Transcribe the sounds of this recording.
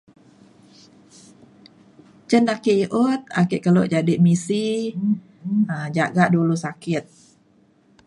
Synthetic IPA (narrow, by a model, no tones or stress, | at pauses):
t͡ʃənakiʔiʔut̪̚a̰kiʔkəloʔd͡ʒadiʔmisi | əd͡ʒaɡaʔdulusakɪt̪̚